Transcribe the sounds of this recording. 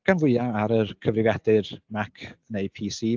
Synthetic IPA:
ɡ̥anvʊɨaaɾərkʰəvrɪvjɛdɨrmakʰənejpʰiːsiː

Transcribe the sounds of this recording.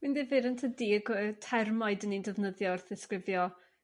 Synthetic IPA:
mɨnðɪvɪɾəntʰədiːəɡtʰɛrmaɨdənindəvnəðjɔərθɪskrɪvjɔ

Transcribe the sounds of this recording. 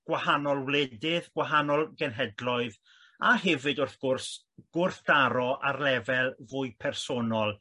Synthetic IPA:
ɡ̥wahanɔlˠwlɛdɪðɡ̥waɦanɔlˠɡɛnɦɛdlˠɔɨð | ahɛvɨdʊrθɡ̥ʊrs | ɡ̥ʊrθd̥aɾɔʔarlɛvɛlˠvʊjpʰɛrsonɔlˠ

